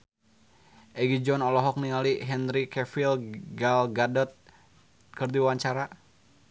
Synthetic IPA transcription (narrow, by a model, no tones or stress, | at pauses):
ʔɛɡid͡ʒɔnɔlɔɦɔk̚niŋaliɦɛnɾikɛfilɡalɡadɔt̪̚ | kərdiwaɲt͡ʃaɾa